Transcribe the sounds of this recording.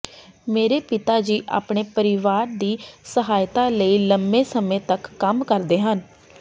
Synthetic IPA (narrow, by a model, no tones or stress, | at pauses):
meːɾeːpɪt̪aːd͡ʒiːʔa̰ːpɳ̃eːpəɾɪʋaːɾd̪iːsəɦaːjt̪aːləiːləmbeːsəmẽːt̪əkːəmkəɾd̪eːɦən